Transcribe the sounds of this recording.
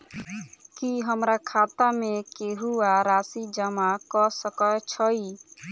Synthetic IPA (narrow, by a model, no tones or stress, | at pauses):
kiɦəmɾakʰat̪amekeɦuaɾasid͡ʒəmakɔsəkət͡ʃʰəi